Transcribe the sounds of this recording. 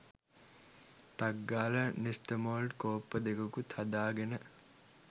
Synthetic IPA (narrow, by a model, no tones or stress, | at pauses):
ʈɐɡːaːlənisʈəmoːlɖkoːpːəd̪ekɐkut̪ʰɐd̪aːɡenə